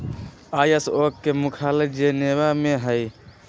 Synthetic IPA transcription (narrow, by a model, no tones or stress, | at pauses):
aːjəsoːkːemʊkʰaled͡ʒenewameɦəj